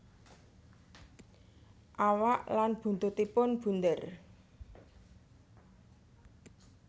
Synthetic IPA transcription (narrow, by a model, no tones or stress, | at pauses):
ʔawaʔlanb̥ṳnt̪ʊt̪ipʊnb̥ṳnd̪ər